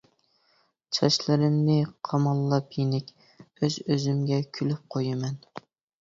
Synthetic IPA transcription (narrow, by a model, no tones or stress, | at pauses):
t͡ʃʰɑʃlɪɾɪmnɪqʰɑmɑlˠːɑpʰjenɪkʲ | øzøzymɡʲɛkʲʰylyp̚qʰojɨmɛn